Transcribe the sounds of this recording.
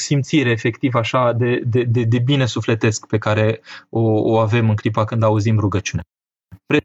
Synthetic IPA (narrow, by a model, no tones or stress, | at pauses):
simt̪siɾeːfe̞kt̪ivaʃad̪e̞d̪ed̪ed̪e̞bine̞sufle̞t̪e̞skpe̞kaɾe̞ooave̞mɨŋkɾip̬akɨnd̪auzimruɡət͡ʃune | pɾe